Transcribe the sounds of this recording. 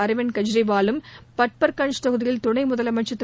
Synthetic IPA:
ɐɾɯʋɪnkɐd͡ʒɪɾɐɪʋaːlɯmpɐʈ̚pɐɾkɐɳst̪ɐɣɯðɪjɪlt̪ʊɳɐɪmʊðɐlɐmɐt͡ʃːɐt̪ː

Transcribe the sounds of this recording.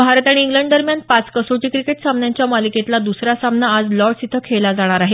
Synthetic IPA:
bʱaɾt̪aɽ̃iːŋɡləɳɖ̚d̪əɾmjanpat͡skəsoʈiːkɾikeʈsamnjaɲt͡ɕjamaliket̪lad̪usɾasamnaːd͡zlɔʈsit̪ʰəkʰelad͡zaɽ̃aɾaɦe

